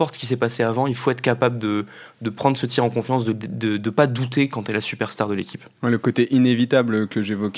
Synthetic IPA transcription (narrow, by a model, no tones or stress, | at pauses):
pɔʁt̪sə̥kʲis̬ɛpaseavɑ̃ilfoɛt̪χəkapabləd̪ə | d̪əpχɑ̃d̪ʁəsət̪jɛʁɑ̃kɔ̃fjɑ̃s̬d̪əd̪əd̪əpad̪ut̪ekɑ̃t̪ɛlɛsypɛʁst̪aʁd̪əlekʲip | wɛləkot̪eʔinevit̪ablkəʒevɔkʲ